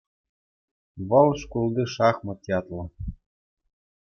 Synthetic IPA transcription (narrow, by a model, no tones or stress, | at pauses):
βɤ̆lˠʃkulˠd̪iʃɑχmɤ̆t̪ʲɑt̪lɤ̆